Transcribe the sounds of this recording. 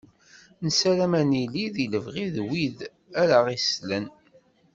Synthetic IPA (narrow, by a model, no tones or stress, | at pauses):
nəsæɾæmæniliðiləvʁiðwið | æɾaʁislən